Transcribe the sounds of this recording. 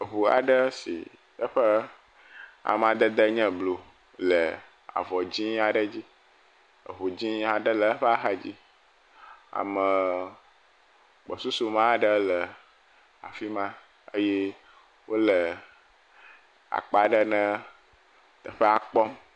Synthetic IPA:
ə˨ɦu˨a̰˨ɖə˦sḭ˨ | ə˦ɸə˦ | a̰˨mã˨d̪ə˦d̪ə˦ɲɛ̃˦blo˨ | lə˨ | a̰˨vɔ˨d͡ʑĩ˦a˨ɖə˦d͡ʑi˦ | ə̰˨ɦu˨d͡ʑĩ˦a˨ɖə˦lə˨ə˦ɸə˦a˦ɦa˦d͡ʑi˦ | a̰˨mə̃˨ | k͡pɔ˨su˦su˦mã˦˨ɖə˦lə˨ | a̰˨fi˦mã˦ | ə˦je˦ | wʔo˦lə˨ | a̰˨k͡pa˨ɖə˦nə̃˦ | t̪ə˨ɸə˦a˨k͡pɔ˦m

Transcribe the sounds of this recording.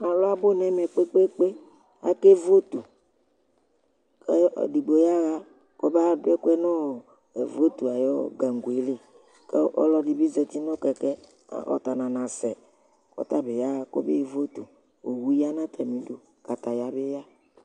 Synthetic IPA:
a˨lɔ˦a˦bo˦nɛ̃˦mɛ˨k͡pe˦k͡pe˦k͡pe˦ | a̰˦ke˦vo˦t̪u˨ | kḛ˦˨di˨ɡ͡bo˨ja˦ɣa˦ | ko˦ba˦dɛ˦ku˦ɛ˦nɔ̃˦˨ | ḛ˨vo˦t̪u˨a˨jɔ˦ɡa˨ŋ˨ɡu˨e˨˦le˦ | ke˦ɔ̰˦lɔ˦di˨be˦zɛ˨t̪i˦nɔ̃˦kɛ˨kɛ̰˦˨ | ɔ̰˨t̪a˨nã˨nã˨sɛ˨ | kɔ̰˨t̪a˦be˨ja˦ɣa˦ko̰˦be˦vo˦t̪u˨ | o˨wu˦ja˦nã˦t̪ʰa˨mĩ˨do˨ | ka˨t̪a˨ja˨be˦ja˦

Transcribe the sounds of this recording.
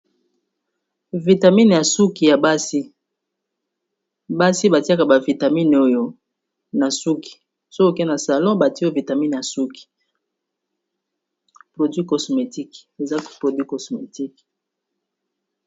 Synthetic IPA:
vi˨ta˨mi˦n˨ja˨su˦ki˨ja˨ba˦si˦ | ba˦si˦ba˨ti˦a˦ka˨ba˨vi˨ta˨mi˦no˦jo˦ | na˨su˦ki̥˨ | so˦ko˨ke˦na˨sa˨lɔ̃˦ba˨ti˦vi˨ta˨mi˦n˨ja˨su˦ki̥˨ | pʁo˨dwi˦ko˨sme˨ti˦ke˨za˦˨pʁo˨dwi˦ko˨sme˨ti˦k

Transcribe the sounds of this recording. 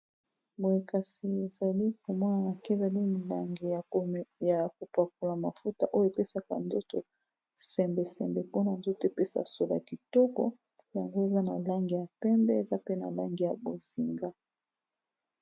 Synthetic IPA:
bo˨e˨ka˨si˨e˨za˨li˦ko˨mɔ˦na˨na˨ke˦za˨li˦m˨la˨ŋɡi˨ja˨ko˨pa˨k̚o˨la˨ma˨fu˦ta˨ʔo˦jo˦˨pe˦sa˨kwa̰˨nzo˦to˨ | sɛ˨mbɛ˨sɛ˨mbɛ˨po˦na˨nzo˦te˦pe˦sa̰˨so˨la̰˨ki˨tɔ˦kɔ˦ | ja˨ŋɡo˦e˨za˦na̰˨la˦ŋɡi˨ja˨pɛ˦mbɛ˦e˨za˦pe˦na̰˨la˦ŋɡi˨ja˨bo˨zi˨ŋɡa˦

